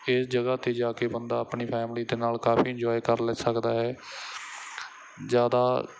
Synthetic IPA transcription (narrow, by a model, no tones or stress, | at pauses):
ɪsd͡ʒəɡaːt̪eːd͡ʒaːkeːbənd̪aːəpɳiːpʰɛːmliːd̪eːnaːlkaːpʰiːɪɲd͡ʒɔːjkəɾlɛsəkd̪aːɦɛː | zjaːd̪aː